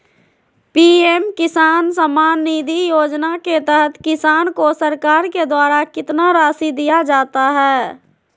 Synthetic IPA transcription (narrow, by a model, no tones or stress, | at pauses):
piːemkɪsaːnsəmaːnːiːd̪ʱijoːd͡ʒnaket̪ɛɦət̪ʰkɪsaːnkosəɾkaːɾked̪waːɾakɪt̪naɾaːsid̪ijad͡ʒaːt̪aɦɛː